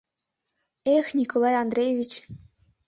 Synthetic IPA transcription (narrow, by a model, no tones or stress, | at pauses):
exʲnʲikolˠɑjɑnd̪rʲejevʲit͡ɕ